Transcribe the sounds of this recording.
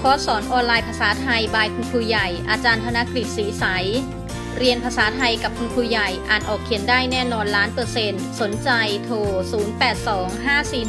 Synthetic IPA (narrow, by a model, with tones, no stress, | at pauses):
kʰɔː˦˥sɔː˩˦nʔɔː˧nlaː˧jpʰa˧saː˩˦t̪ʰa˧jbaː˧jkʰu˧np̪ʰuː˧ja˨˩jʔaː˧t͡ɕaː˧np̪ʰa˧na˦˥kɾi˨˩t̪̚siː˩˦sa˩˦j | ɾi˧ənpʰaː˧saː˩˦t̪ʰa˧jka˨˩p̚kʰu˧npʰuː˧ja˨˩jʔaː˨˩nʔɔː˨˩kʰːi˩˦əndaː˥˩jnɛː˥˩nɔː˧nlaː˦˥npɤː˧se˧nso˩˦nt͡ɕa˧jt̪ʰoː˧˩suː˩˦npɛː˨˩t̪̚sɔː˩˦ŋɦaː˥˩siː˨˩